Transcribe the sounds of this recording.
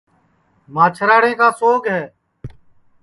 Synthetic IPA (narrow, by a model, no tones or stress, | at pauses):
maːt͡ʃʰəɾaːɽẽːkaːsoːɡɦɛː